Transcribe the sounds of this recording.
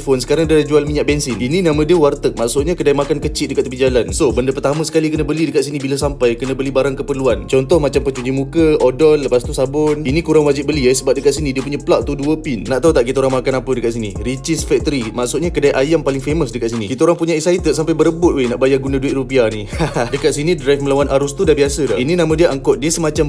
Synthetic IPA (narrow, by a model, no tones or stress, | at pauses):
fonsə̥kaɾaŋdalad͡ʒualmiɲaʔbɛnsɪnininãmə̃diəwart̪ək̚maʔsʊʔɲakədajmakankət͡ʃitʔ̚dəkat̪̚ːəpid͡ʒalansobəndəpərt̪amə̃sə̥kalikənəbəlidəkat̪̚sinibilasampajkənəbəlibaɾaŋkəpərluant͡ʃɔnt̪ɔhmat͡ʃampət͡ʃuɲd͡ʒimukəɔdɔlːəpast̪usabʊninikuɾaŋwad͡ʒibəliesəbap̚dəkat̪̚sinidiəpuɲaplaʔt̪uduəpinːaʔt̪aut̪aʔk̬it̪aoɾaŋmakanapədəkat̪s̬inḭɾit͡ʃɪsfɛk̚t̪əɾimaʔsuʔɲakədajʔajampalɪŋfeməsdəkat̪sinḭkit̪aoɾaŋpuɲaisait̪ət̪sampajbəɾəbʊt̪̚wejnaʔbajaɡunãduɪt̪̚rupianidəkat̪̚sinidɾajfməlawanʔaɾʊst̪udanbiasədaininamə̃diəʔaŋkɔt̪̚diəsəmat͡ʃam